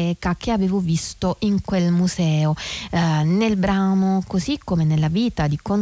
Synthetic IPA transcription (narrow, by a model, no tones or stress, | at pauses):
ɛːkak̟eaveːvovist̪oʔiŋkwelmuzɛːo | nelbɾaːnokozikːomenelːaviːt̪ad̪ikon